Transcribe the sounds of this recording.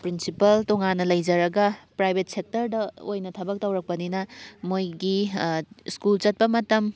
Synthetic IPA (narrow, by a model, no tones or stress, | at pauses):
pɾinsipɐltoŋanːɐlɐjd͡ʒɐɾɐɡɐpɾajbʱet̚sek̚tɐɾdɐo̰jnɐtʰɐbɐk̚tɐwɾɐk̚pɐninɐmojɡi | skult͡ʃɐt̚pɐmɐtɐm